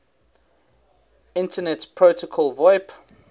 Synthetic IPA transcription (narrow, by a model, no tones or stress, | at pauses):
ɪ̃ntənɛtpʰɹotəkʰɔlˠvɔɪp